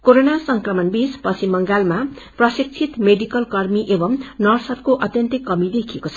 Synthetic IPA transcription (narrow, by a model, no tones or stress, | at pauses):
koɾonasʌŋkrʌmʌnbispʌt͡sʰimʌŋɡalma | prʌsik̚t͡sʰit̪meɖikʌlkʌrmiʔebʌmnʌrsʌrkoʔʌt̪jʌnt̪ikʌmid̪ekʰiekot͡sʰʌ